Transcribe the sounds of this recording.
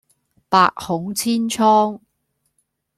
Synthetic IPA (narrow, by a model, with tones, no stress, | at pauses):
pa̰ː˧k̚hʊ˨˥ŋt͡sʰiː˥nt͡ʃʰɔː˥ŋ